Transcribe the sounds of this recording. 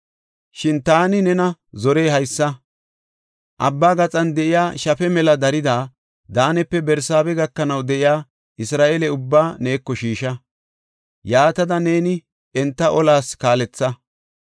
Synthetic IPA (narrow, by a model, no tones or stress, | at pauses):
ʃɪnt̪aːnɪnɛnɐzɔɾe̞ːɦɐjsːɐ | ʔɐ̰bːaːɡɐt͡sʼɐnd̪ɛʔɪjaːʃɐfɛmɛlɐd̪ɐɾɪd̪aː | d̪aːnɛpːɛbɛɾsaːbɛɡɐkːɐnɐwd̪ɛʔɪjaː | ʔɪsɾaːʔelɛʊbːaːne̞ːkːɔʃiːʃɐ | jaːt̪ɐd̪ɐne̞ːnɪ | ɛnt̪ːɐʔɔlaːskaːlɛt͡sːɐ